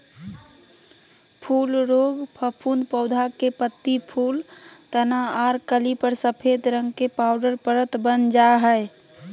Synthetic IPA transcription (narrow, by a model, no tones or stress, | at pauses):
pʰulɾoɡpʰəpʰund̪pəʊd̪ʱakepət̪ːipʰult̪ənaaɾkəlipəɾsəpʰed̪ɾəŋɡkepaʊɖəɾpəɾət̪bənd͡ʒaɦə